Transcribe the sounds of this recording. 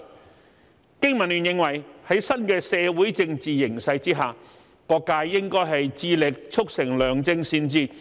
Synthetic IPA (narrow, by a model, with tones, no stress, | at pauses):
kɪ˥ŋmɐ˨˩nlyː˨njɪ˨ŋwɐ˨˩jhɐ˨˥jsɐ˥nkɛː˧sɛː˧wuː˨˥jt͡sɪ˧ŋt͡siː˨jɪ˨˩ŋsɐ˧jt͡siː˥ɦaː˨˩ | kɔː˧kːaː˧jːɪ˥ŋkɔː˥jɦɐ˨jt͡siː˧lɪ˨˩k̚t͡sʰʊ˥k̚sɪ˨˩ŋlœː˨˩ŋt͡sɪ˧ŋsiː˧nt͡siː˧